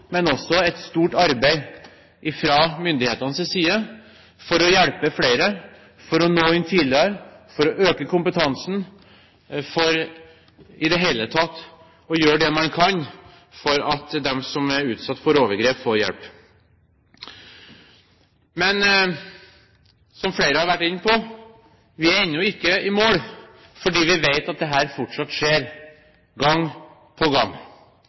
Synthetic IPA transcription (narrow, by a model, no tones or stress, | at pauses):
mɛnɔsːɔɛt̪st̪uːʈɑɾbæɪ | ʔɪfɾɑːmʏnd̪ɪheːt̪ɑnsɛsiːə | fɔɾɔjɛɽpəfleɪɾə | fɔɾɔnoːɪnt̪ʰiːd̪ɪəɾfɔɾɔʔøːkəkʰʊmpət̪ʰɑnsn̩ | fɔɾ | ɪd̪ɛɦeɪlət̪ʰɑt̪ː | ɔjøːɖɛmɑnkʰɑn | fɔɾɑt̪d̪ɛmsɔmæɾʉːt̪sɑt̪ːfɔɾoːʋəɾɡɾeːpfoːɾjɛ̰lp | mɛn | sɔmfleɪɾəhɑɾʋæʈːɪnːəpʰɔ | ʋɪɛɪnʊɪkːəɪmoːɽ | fɔɖiːʋɪʋeɪt̪ɑt̪̚d̪ɛɦæːɾfɔʈʂɑt̪ːʂeːɾ | ɡɑŋː | pʰɔɡɑŋː